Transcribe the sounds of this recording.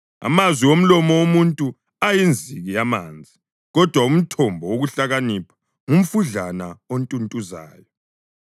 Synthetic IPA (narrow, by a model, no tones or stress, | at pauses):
a̰mazwiwom̩lɔmɔwomuntʼu | ajind͡zʱiɣijamaːnd͡zʱi | ɣɔd̥ʱwaum̩tʰɔmbʱɔwoɣuɬaɣanipʰḁ | ŋum̩fuɮanaontʼuntʼuza̰ːjɔ